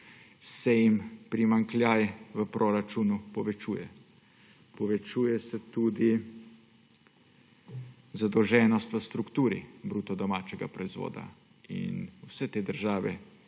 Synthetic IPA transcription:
sɛjimpɾimaŋklʲjaːjɛʋəpɾoːɾat͡ʃunupɔʋɛt͡ʃuːjɛ | pɔʋɛt͡ʃuːjɛsɛt̪ud̪i | zad̪ɔwʒɛːnɔst̪ʋəst̪ɾukt̪uːɾḭbɾuːt̪ɔd̪ɔmaːt͡ʃɛɡa̰pɾɔizʋo̰ːd̪a̰ | ḭnwsɛt̪eːd̪əɾʒaːʋɛ

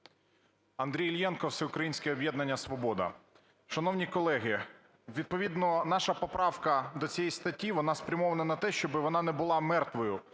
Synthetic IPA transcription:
ɐnd̪ɾʲijlʲjɛnkɔwsɛʊkɾɐjinʲsʲkɛɔbʲjɛd̪nɐnʲːɐsʋɔbɔd̪ɐ̰ | ʃɐnɔwnʲikɔlˠɛɦɪ | ʋʲid̪̚pɔʋʲid̪nɔnɑʃɐpɔpɾɑwkɐd̪ɔt͡sʲijɛjst̪ɐtʲːiʋɔnɑspɾʲɐmɔʋɐnɐnɐt̪ɛʃt͡ʃɔbɪʋɔnɑnɛbʊlˠɑmɛrt̪ʋɔjʊ

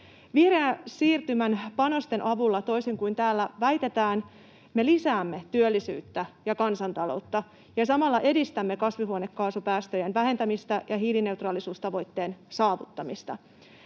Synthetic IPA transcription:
ʋihreæsiːrt̪ymænpɑno̞st̪e̞nʔɑʋulːɑt̪ojseŋkujnt̪æːlːæʋæjt̪e̞t̪æːn | me̞lisæːmːe̞t̪yølːisy̰ːt̪ːæjɑkɑnsɑnt̪ɑlo̞̰wt̪ːɑ | jɑsɑmɑlːɑʔe̞dist̪æmːe̞kɑsʋiɦuone̞kːɑːsupæːst̪øjænʋæɦe̞nt̪æmist̪æjɑɦiːline̞ut̪rɑːlisuːst̪ɑʋo̞jt̪ːe̞ːnsɑːʋut̪ːɑmist̪ɑ̰

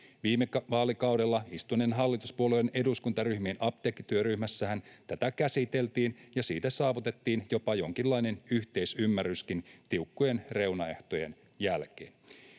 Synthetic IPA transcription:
ʋiːmːekʋɑːlikɑwde̞lːɑist̪unenɦɑlːit̪uspuolejene̞duskunt̪ɑryhmiːnʔɑp̚t̪eːkːit̪yøɾyhmæsːæhænt̪æt̪ækæsit̪e̞lt̪iːnjɑsiːt̪æsɑːʋut̪e̞t̪ːiːnjo̞pɑjo̞ŋkilːɑine̞nyht̪e̞isymːæryskint̪iukːujenre̞wnɑe̞̰ht̪ojen | jælkḛːn

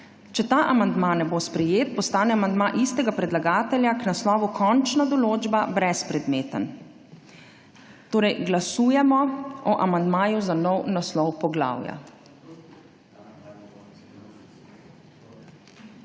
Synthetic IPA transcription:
t͡ʃɛt̪aːʔamand̪maːnɛbospɾɛjeːt̪̚pɔst̪aːnɛamand̪maʔist̪ɛɡapɾɛd̪laɡaːt̪ɛljaknaslɔːʋukʰɔnt͡ʃnad̪ɔloːd͡ʒbabɾɛspɾɛd̪meːt̪ə̰n | t̪oːɾɛjɡlasuːjɛmɔɔʔamand̪maːjuzanɔwnaslɔwpɔɡla̰ːwja̰

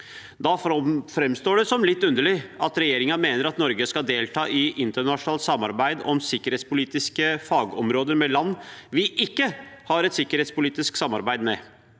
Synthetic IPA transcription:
d̪ɑfɾɛmst̪oːɖɛsɔmlɪt̪ːʉnd̪əɭɪɑt̪ɾɛjeːɾɪŋɑmeːnəɾɑt̪nɔɾɡəskɑd̪eːlt̪ʰɑːʔɪʔɪnt̪əɳɑʂʊnɑːlt̪sɑmːɑ̰ɾbæɪd̪ɔ̰msɪkːəɾheːt̪spʊliːt̪ɪskəfɑːɡɔmɾoːd̪əmɛlɑnːʋɪʔɪkːəhɑɾɛt̪sɪkːəɾheːt̪spʊliːt̪ɪsksɑmːɑɾbæɪd̪mɛ

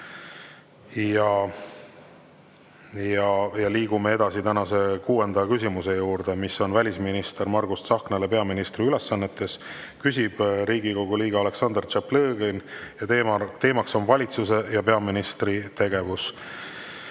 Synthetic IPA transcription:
jɑ | jɑjɑliːɡume̞ed̪̥ɑsit̪ænɑse̞kuːe̞nd̪̥ɑkysʲimuse̞juːɾd̪̥e̞miso̞nvælʲisminist̪e̞ɾmɑrɡ̥ust̪sɑhknelepe̞ɑminist̪riyle̞sɑnːe̞t̪ːˑe̞s | kysʲib̥ɾiːɡiko̞ɡ̥uliːɡ̥ɑɑle̞ksɑnd̪ert͡ʃepleːɡ̥enjɑt̪et̪e̞ːmɑkso̞nvɑlʲit̪suse̞jɑpe̞ɑminist̪rit̪e̞ɡ̥e̞vus

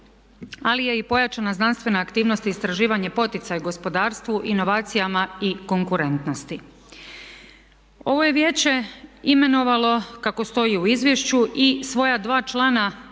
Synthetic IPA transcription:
alije̞ipo̞jat͡ʃanaznanst̪ʋe̞naːkt̪iːʋno̞st̪iːst̪ɾaʒiːʋaɲepo̞t̪it̪sajuɡo̞spo̞d̪aːɾst̪ʋuʔino̞ʋaːt̪sijamaiko̞ŋkuɾe̞nt̪no̞st̪i | o̞ʋo̞je̞ʋje̞ːt͡ɕe̞ime̞no̞ʋalo̞kako̞st̪o̞jiuizʋje̞ʃt͡ɕuʔisʋo̞jad̪ʋaːt͡ʃlˠana

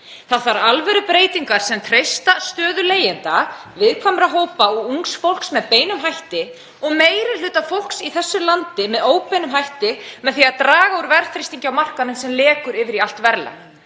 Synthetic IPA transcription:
θaðθvaɾalvɛɾʏpɾeːjt̪iŋkaɾ̥sɛmt̪ʰɾejst̪ast̪œːðʏleːjɪnt̪a | vɪðkʰvamɾaɦoːwpaɔuŋksfowl̥ksmɛðpeːjnʏmɦajht̪ɪ | ɔɣmeːjɾɪlʏːt̪afowl̥ksiθɛsːʏlant̪ɪmɛðoːwpɛnʏmɦajht̪ɪmɛðθiaðt̪ɾaːɣauɾvɛɾθɾist̪iɲcɪawmar̥kanʏnsɛmlɛːkʏɾɪvɪɾial̥t̪vɛɾla̰

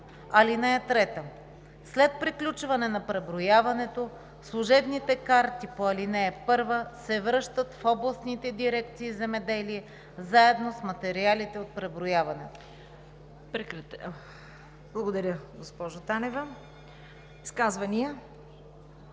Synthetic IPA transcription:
ɐlinɛɛt̪ɾɛt̪ə | slɛt̪̚pɾiklʲut͡ʃvɐnɛnɐpɾɛbɾʊjavɐnɛt̪o | slˠuʒɛbnit̪ɛkaɾt̪ipoɐlinɛɛpɤɾvəsɛvɾɤʃt̪ət̪fɔblˠəsnit̪ɛd̪iɾɛk̚t̪siːzɛmɛd̪ɛliɛ | zaɛd̪nosmɐt̪ɛɾialit̪ɛot̪̚pɾɛbɾʊjavɐnɛt̪o | pɾɛkɾɐ | b̥lˠɐɡod̪ɐɾʲəɡospɔʒot̪anɛvə | iskazvɐniə

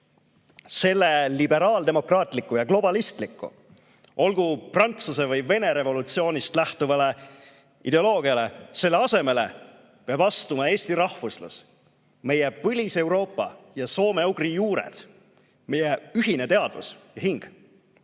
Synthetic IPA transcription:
se̞lːe̞libe̞ɾɑːld̪e̞mo̞krɑːt̪ˑlikːˑujɑklo̞b̥ɑlist̪likːˑṵ | o̞lɡ̥uprɑnt̪suse̞vɯjve̞ne̞ɾe̞vo̞lut̪sio̞ːnist̪læht̪uvɑle̞ | ḭd̪e̞o̞lo̞ːɡ̥iɑle̞se̞lːe̞ɑse̞me̞le̞̰ | peɑbɑst̪umɑe̞ːst̪iɾɑhfuslṵs | me̞jepɤlʲise̞wɾo̞ːpːˑɑ̰jɑso̞ːmeuɡrijuːɾḛd̪̥ | me̞jeyɦine̞t̪e̞ɑd̪̥vṵsjɑɦiŋɡ̥

